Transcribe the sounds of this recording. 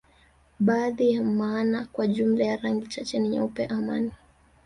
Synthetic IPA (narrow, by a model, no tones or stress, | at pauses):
ɓaːðijamaːnakwaʄum̩lajaɾaŋɡit͡ʃat͡ʃɛniɲa̰upɛʔamani